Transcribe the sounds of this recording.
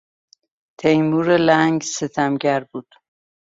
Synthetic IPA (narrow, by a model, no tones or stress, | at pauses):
t̪ʰejmuːɾelæŋɡset̪ʰæmɟæɾbuːd̪̥